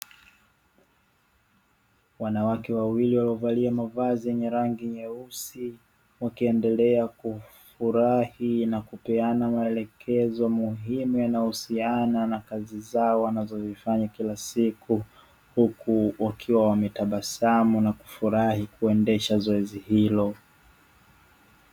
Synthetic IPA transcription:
wanawakɛwawiliwaliɔvaliamavazijɛɲɛɾaŋɡiɲɛusi | wakiɛndɛlɛakufuɾahinakupɛanamaɛlɛkʰɛzɔmuɦimujanahusiananakazizaɔwanazɔzifaɲakilasiku | hukuwakʰiwawamɛtaɓasamunaku̥fuɾahikuɛndɛʃazɔɛzihilɔ

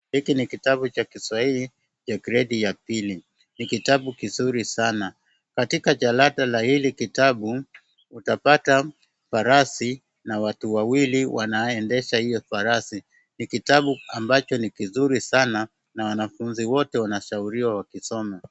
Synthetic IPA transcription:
hikinikitaɓut͡ʃakiswaili | t͡ʃakiɾɛɗijapili | nikitaɓukizuɾisana | katikat͡ʃalaɗalahilikitaɓu | utapata | faɾasi | nawatuwawiliwanaɛndɛʃahijɔfaɾasi | nikitaɓuambat͡ʃɔnikizuɾisana | nawanafunziwɔtɛwanaʃauɾiwawakisɔma

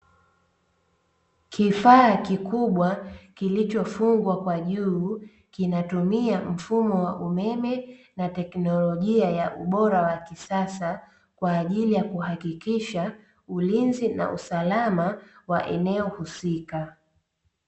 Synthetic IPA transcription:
kʰifaːkikuɓwakilit͡ʃɔfuŋɡwakwaʄuː | kinatumiam̩fumɔwaʔumɛmɛ | natɛknɔlɔʄiajaʔuɓɔɾawakisasa | kwaːʄilijakuhakikiʃa | ulinzina̰ʔusalamawaʔɛ̰nɛɔhusika

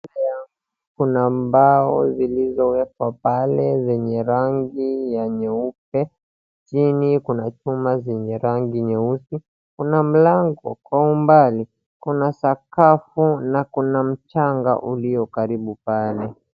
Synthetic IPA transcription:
lajaŋɡ | ukunambaɔzilizɔwɛpwapalɛzɛɲɛɾaŋɡijaɲɛup̚ɛ | t͡ʃinikunat͡ʃumazɛɲɛɾaŋɡiɲɛusi | kunam̩laŋɡɔkwaumbali | kunasakafunakunam̩t͡ʃaŋɡa̰ʔuliɔkaɾiɓupalɛ

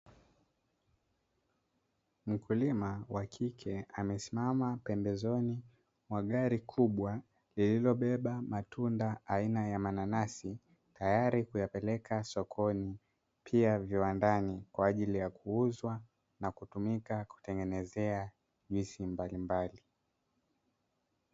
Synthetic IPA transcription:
m̩kulimawakʰikʰɛamɛsimamapɛmbɛzɔni | mwaɠaɾikʰuɓwa | lililɔɓɛɓamatundaainajamananasi | tajaɾikujapɛlɛkʰasɔkʰɔni | pʰiaviwandanikwaːʄilijakuuzwa | nakutumikaku̥tɛŋɡɛnɛzɛa | ʄisimbalimbali

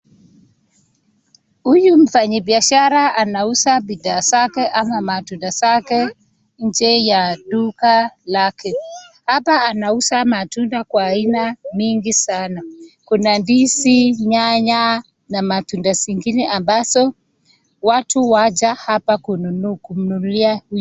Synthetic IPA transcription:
hujum̩faɲibiaʃaɾaanausabiðaːzakɛʔamamatundazakɛ | ɲ̩d͡ʒɛjaɗukalakʰɛhapaanausamatundakwaːinamiŋɡisanakunandisiɲaɲa | namatundasiŋɡinɛʔambazɔ | watuwad͡ʒahapakununukum̩nuliahu

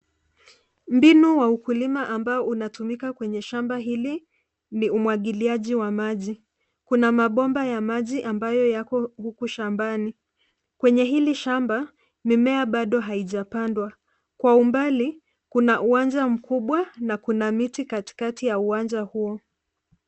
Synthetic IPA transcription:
m̩binuwaukulimaʔambaɔunatumikakwɛɲɛʃambaɦili | niumwaɠiliaʄiwamaʄi | kunamaɓɔmbajamaʄiʔambajɔjakɔhukuʃambani | kwɛɲɛɦiliʃamba | mimɛaɓaɗɔɦaiʄapandwa | kwaumbali | kunaʔuwand͡ʒam̩kuɓwanakunamitikati̥katijauwand͡ʒahuɔ

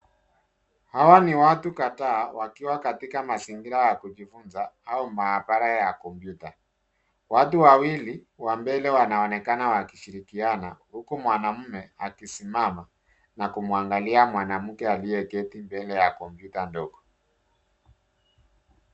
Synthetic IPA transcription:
hawaniwatukataːwakiwakatikamasiŋɡiɾajakuʄifunzaaumaapaɾajakɔmpjuta | watuwawili | wambɛlɛwanaɔnɛkanawakiʃiɾikianahukumwanam̩mɛakisimama | nakumuaŋɡaliamwanam̩kɛalijɛkɛtimbɛlɛjakɔmpjutandɔɡɔ

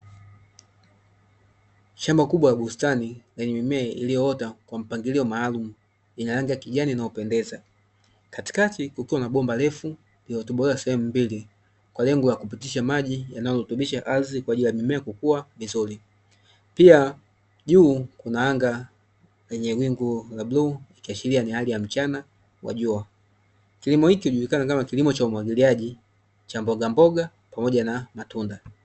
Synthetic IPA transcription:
ʃambakuɓwajaɡustanilɛɲɛmimɛːʔḭlijɔɔtakwam̩paŋɡiliɔmaːlumu | inalaŋɡakiʄaninaupɛndɛza | kati̥katikukiwanaɓɔmbalɛfu | liɔtuɓɔɛasɛhɛmumbili | kwalɛŋɡɔljakupitiʃamaʄijanajɔlutuɓiʃaʔalizikwaːɟilijamimɛːkukuwavizuli | pia | ʄuːkunaaŋɡa | wɛɲɛɡwiŋɡulabluikiaʃilianihalijam̩t͡ʃana | wa̰ʄua | kilimɔhikihuʄulikanakamakilimɔt͡ʃaumwaɡiliaʄi | t͡ʃambɔɡambɔɡa | pamɔɟanamatunda

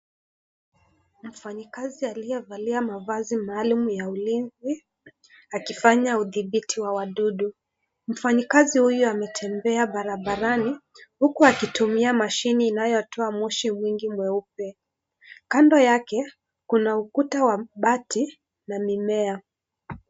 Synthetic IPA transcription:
m̩faɲikazialijɔvaliamavazimaːlumujaulinzi | akifaɲauðiɓitʰiwawaɗuɗu | m̩faɲikazihujɔamɛtʰɛmbɛaɓaɾaɓaɾani | hukuakitumiamaʃiniːnajɔtʰɔamɔʃimwiŋɡimwɛupɛ | kandɔjakɛ | kunaukutawaɓati | namimɛa

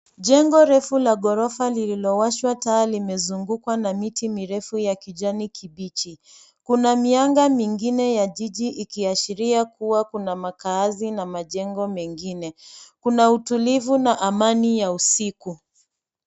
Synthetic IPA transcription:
ʄɛŋɡɔɾɛfulaɠɔɾɔfalililɔwaʃwataalimɛzuŋɡukwanamitimiɾɛfujakiʄanikʰiɓit͡ʃi | kunamiaŋɡamiŋɡinɛjaʄiʄiʔikiaʃiɾiakuwakunamakaːzinamaʄɛŋɡɔmɛŋɡinɛkunautulivunaʔamanijausiku

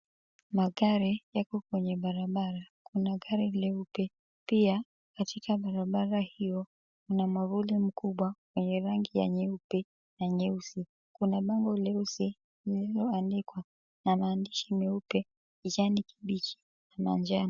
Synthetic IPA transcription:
maɠaɾijakɔkwɛɲɛɓaɾaɓaɾakunaɠaɾilɛupɛ | pia | katʰikaɓaɾaɓaɾahijɔ | unamavulim̩kuɓwakwɛɲɛɾaŋɡija̰ɲɛupɛ | naɲɛusi | kunaɓaŋɡɔlɛusi | lililɔandikwa | namaːndiʃimɛupɛ | id͡ʒaniki̥ɓit͡ʃi̥ | nama̰nd͡ʒan

